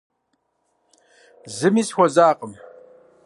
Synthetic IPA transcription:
zɨmiːsxʷɔzaːqəm

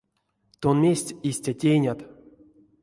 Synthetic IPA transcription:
t̪onmʲesʲtʲisʲtʲatʲejnʲat̪

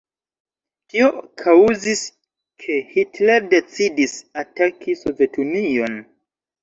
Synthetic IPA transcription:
tʰiokʰauzis | kʰe̞hitle̞ɾde̞t͡sidisatakʰiso̞ve̞tunio̞n

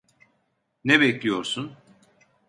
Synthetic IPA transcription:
nɛbɛclʲijo̞ɾsun

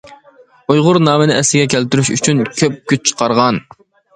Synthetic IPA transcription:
ujʁʊɾnɑːmɪnɪɛslɪɡʲɛkʲʰælt̪yɾyʃyt͡ʃʰynkʲʰøp̚kʲyt͡ʃ̚t͡ʃʰə̥qʰɑɾʁɑn

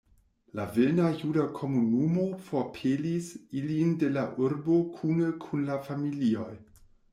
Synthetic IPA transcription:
lavenajudakʰo̞munumo̞fo̞pʰelisilinde̞laʔuɾbo̞kʰunekʰunlafamilio̞j

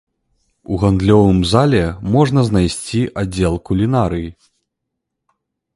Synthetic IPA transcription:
uɣand̪lʲɔvɨmzalʲɛmɔʐn̪ɐznajsʲt͡sʲiʔad͡zʲɛlˠkulʲinaɾɨji

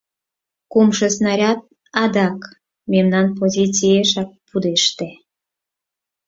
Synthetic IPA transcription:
kumʃəsnɑɾʲɑt̪̚ | ɑd̪ɑk | memnɑnpozʲit͡sʲieʃɑk̚pud̪eʃt̪e

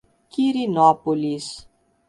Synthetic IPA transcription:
kiɾinɔpolis

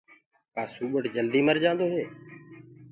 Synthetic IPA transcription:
kaːsuːɓəʈd͡ʒəld̪iːməɾd͡ʒãːnd̪oːɦeː

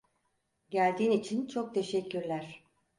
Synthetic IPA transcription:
ɟælʲd̪iːnit͡ʃʰint͡ʃʰo̞k̚t̪ʰe̞ʃɛcʰːyɾlʲæɾ̥

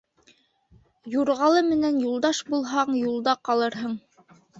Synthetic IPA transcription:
juɾʁɑlˠɤmɘ̆nænjulˠd̪ɑʃbulˠɦɑɴjulˠd̪ɑqɑlˠɤ̆ɾɦɤɴ

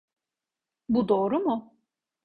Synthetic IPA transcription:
bud̪oːɾumʊ

